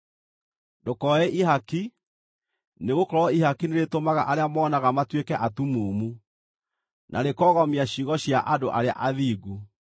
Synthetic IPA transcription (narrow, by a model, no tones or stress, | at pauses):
dokɔɛʔiɦaki | neɣokɔɾɔihakineɾetomaɣa̰ʔaɾeamɔːnaɣamatwekɛʔatumuːmu | nʔaɾekɔːɣɔmiaɕiɣɔɕjaʔadoʔaɾea̰ʔaðiːɡu